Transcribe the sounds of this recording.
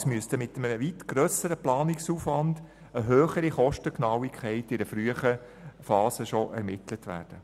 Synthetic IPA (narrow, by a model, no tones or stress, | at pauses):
smyəstəmɪtəməʋitɡ̥ɾœsəɾəplɑːnɪksuːfʋɑnd | əɦøːχəɾiχɔʃtəknɑwikʰχɛɪtɪdəfɾyəχə | fɑːsəʃɔʔɛ̰ɾmɪtlətʋæ̰ːɾd̥ə